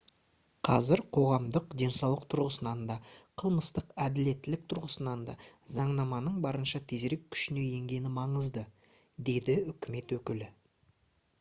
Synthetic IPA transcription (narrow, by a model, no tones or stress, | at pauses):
qʰɑ̰zɪɾqʰo̞ʁɑmd̪əqd̪ʲe̞nsɑwlˠəq̚t̪ʰʊɾʁəsənɑnd̪ɑqʰəlˠməst̪əqæd̪ɪle̞t̪ːɪlɪk̚t̪ʰʊɾʁəsənɑnd̪ɑ̰zɑɴnɑmɑnəɴbɑɾənʃɑt̪ʰe̞zɾe̞kʲʰʏ̥ʃɪne̞je̞ŋɡʲe̞nɪmɑɴəzd̪ə | d̪e̞jd̪ɪʏkʲɪme̞t̪wɵkʲɪlɪ